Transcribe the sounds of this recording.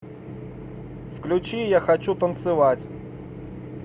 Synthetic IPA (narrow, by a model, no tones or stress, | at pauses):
fklʲʉt͡ɕijaxɐt͡ɕut̪ənt̪sɨvatʲ